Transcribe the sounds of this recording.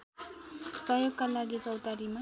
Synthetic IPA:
sʌjoɡkalaɡit͡sʌwt̪aɾima

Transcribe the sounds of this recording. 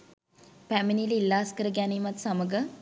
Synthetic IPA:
pæminililːaːskəɾəɡæniːmat̪saməɡə

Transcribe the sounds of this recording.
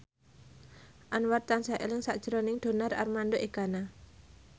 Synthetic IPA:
ʔanwart̪ːansaʔḛlɪŋsaʔd̥ʒ̥əɾonɪŋd̪̥o̤nara̰rmandoʔekana

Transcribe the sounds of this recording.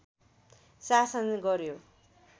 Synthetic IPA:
sasʌnɡʌɾjo

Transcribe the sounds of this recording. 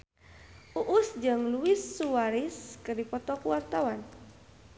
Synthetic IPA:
ʔuʔusd͡ʒɨŋluisːuwaɾiskɨrdipɔt̪ɔkuwart̪awan

